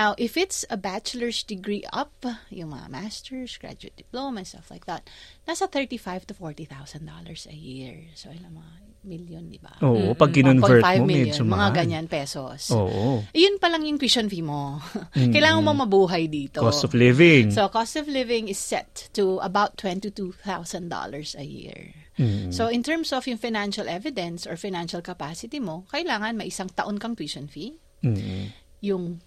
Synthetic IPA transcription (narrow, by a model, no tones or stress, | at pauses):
nawʔɪfɪt̪sɐbat͡ʃʊləɹsd̪ɪɡɹiʔɐ̰p̚jʊŋmɐ̰ŋa̰mast̪ɛɹsɡ̥ɹa̰d͡ʒʊɪt̚d̪ɪplomɛnst̪ɐfla̰jk̚ðɐt̪̚nasɐθɛɹt̪ifajvt̪ʊfɔɹt̪iθawsɐnd̪o̰lɐɹsɐ̰jiɹsoʔɪlɐŋmɐŋa | mɪljʊnd̪ɪba̰ʔoːʔopɐɡ̚kɪnonvɛɹajvmmɪljoʊmɐŋaɡɐɲanpɛso̰soːʔoʔjʊnpɐlɐŋjʊŋkist͡ʃɐnfimokɐjlaːŋɐnmomɐbuːɦɐjd̪iːt̪oost̪ɔvlɪvɪŋsokost̪ɔvlɪvɪŋɪsːɛ̰t̪ːuʔɐbawt̪ːwɛ̃nt̪it̪uθawsɐnd̪o̰lɐɹsɐjḭɹ̩ | soʔɪ̃nt̪ɛɹmsɔvjʊŋfajnanʃɐlʔɛvɪd̪ɛnsɔɹfajnanʃɐlkɐpaːsɪt̪imo̞kɐʔɪlaːŋɐnmɐjʔɪsɐŋt̪ɐʔonkɐŋt̪wiʃɔnfi | jʊŋ